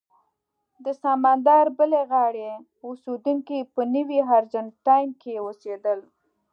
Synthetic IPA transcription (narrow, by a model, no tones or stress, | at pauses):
d̪əsɑmɑnd̪ɑɾbəleɣɑɽe | used̪uŋkipənəwiɦaɾd͡ʒantɑjmkejewosed̪əl